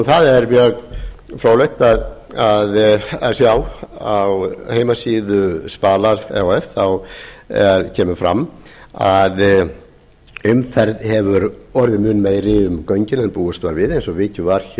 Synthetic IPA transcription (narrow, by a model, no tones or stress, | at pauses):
ɔθaðɛɾmjœːɣ | fɾoːwleht̪að | aðaðsjawawheːjmasiːðʏspaːlaɾ̥ɛ̰oɛfθawɛɾcʰɛːmʏfɾa̰mː | að | ʏmfɛɾðhɛvʏɾɔɾðɪmʏːnmeːjɾɪʏmkœɥɲcɪnɛnpuːʏst̪vaɾvɪðejnsɔvɪːc̪ʏvaɾ̥ç